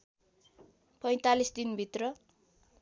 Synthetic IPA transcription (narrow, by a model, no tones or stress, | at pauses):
pʌj̃t̪alisd̪inbʱit̪rʌ